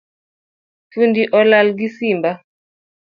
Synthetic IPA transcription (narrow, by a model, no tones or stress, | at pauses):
fundiʔɔlalɡisimba